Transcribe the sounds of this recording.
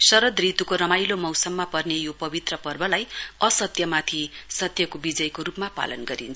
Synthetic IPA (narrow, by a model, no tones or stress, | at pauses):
sʌɾʌd̪rit̪ukoɾʌmajlomʌwsʌmːapʌrnejopʌbit̪rʌpʌrbʌlajʌsʌt̪jʌmat̪ʰisʌt̪jʌkobid͡zʌjkoɾupmapa̰lʌnɡʌɾint͡sʰ